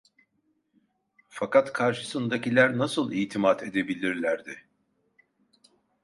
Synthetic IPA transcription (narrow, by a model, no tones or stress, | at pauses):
fakat̪kʰaɾʃɯ̥sɯnd̪acilʲæɾnasɯlˠiːt̪ʰimad̪ʰe̞d̪e̞bilʲiɾlʲæɾd̪ɪ